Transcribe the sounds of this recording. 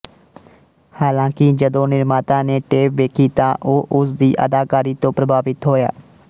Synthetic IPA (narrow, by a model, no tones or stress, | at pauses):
haːlãːkɪd͡ʒəd̪õːnɪɾmaːt̪ãːneːʈeːpʋeːkʰiːt̪ãːʔoːʔʊsd̪iːʔə̰d̪aːkaːɾiːt̪õːpɾəbʱaːʋɪt̪ɦoːja̰ː